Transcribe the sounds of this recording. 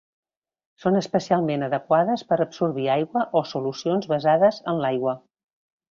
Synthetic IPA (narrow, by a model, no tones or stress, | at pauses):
sonəspəsialˠmenəðəkwaðəspəɾəbsuɾβiajɣwəʔosulusionzβəzaðəzənlajɣwə